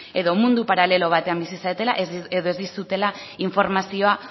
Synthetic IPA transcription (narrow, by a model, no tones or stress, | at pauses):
e̞ðo̞mund̪upaɾale̞lo̞β̞at̪e̞ambisisaet̪e̞la̰ʔeðoe̞zd̪isut̪e̞la | iɱfo̞ɾmasio̞a